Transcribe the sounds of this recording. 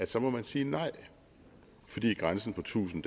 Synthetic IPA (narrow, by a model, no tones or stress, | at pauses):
æsɒ̽mɒ̽mænsiːnɑ̈ɪ̰ | fɒ̽d̥ḭːɡ̥ʁansn̩pʰɒ̽t͡sʰṵːsn̩d̥